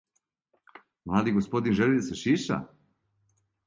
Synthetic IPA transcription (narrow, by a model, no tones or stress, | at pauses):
mlˠaːd̪iɡospo̞d̪inʒelid̪aseʃiʃa̰